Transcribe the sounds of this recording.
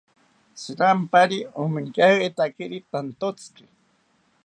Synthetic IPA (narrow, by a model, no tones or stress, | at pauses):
sɨɾampaɾiomiŋkahet̪akiɾit̪ant̪ot͡ski̥